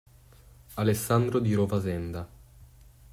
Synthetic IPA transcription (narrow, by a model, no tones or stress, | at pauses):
alesːand̪ɾod̪iɾovazɛnd̪a